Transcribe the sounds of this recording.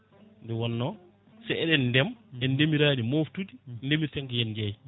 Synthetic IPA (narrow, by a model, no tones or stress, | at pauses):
ndɛwɔnːɔ | sɛɛɗɛndɛmɛndemiɾaːdimoftudindemiɾtɛŋkɛjɛnd͡ʒaj